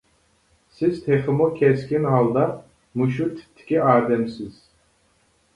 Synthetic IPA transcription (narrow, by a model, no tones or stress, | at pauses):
siz̥t̪ʰeχɨmukʲʰɛskʲinhalˠd̪a | muʃut̪ʰi̥t̪ʰːi̥kʲiaːɾd̪ɛmsiz̥